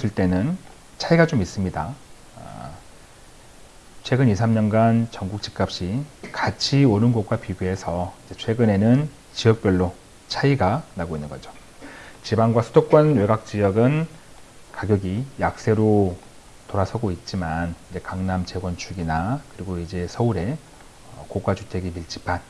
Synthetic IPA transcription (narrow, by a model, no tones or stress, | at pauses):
sʰɯɭt͈e̞nɯn | t͡ɕʰaiɡat͡ɕomis͈ɯmɲida̰ | t͡ɕʰwe̞ɡɯnis̬ʰamɲʌnɡant͡ɕʌŋɡuk̚t͡ɕ͈i̥k͈ap̚ɕ͈ikat͡ɕʰioɾɯnɡok̚k͈wapiɡue̞sʰʌid͡ʑe̞t͡ɕʰwe̞ɡɯne̞nɯn | t͡ɕijʌk̚p͈jʌɭːo | t͡ɕʰaiɡanaɡoinːɯnɡʌd͡ʑo | t͡ɕibaŋɡwasʰudok͈wʌnwe̞ɡak̚t͡ɕ͈ijʌɡɯn | kaɡjʌɡijak̚s͈e̞ɾo | toɾasʰʌɡoit̚t͡ɕ͈imanid͡ʑe̞kaŋnamt͡ɕe̞ɡwʌnt͡ɕʰuɡinakɯɾiɡoid͡ʑe̞sʰʌuɾe̞ | ʌkokwat͡ɕutʰe̞ɡimiɭt͡ɕ͈i̥pan